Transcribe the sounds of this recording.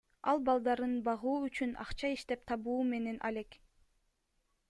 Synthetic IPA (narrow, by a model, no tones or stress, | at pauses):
ɑ̰lˠbɑlˠd̪ɑɾɯnbɑʁuːyt͡ʃynɑ̰qt͡ʃɑiʃt̪e̞p̚t̪ʰɑβuːme̞ne̞nʔɑ̰le̞k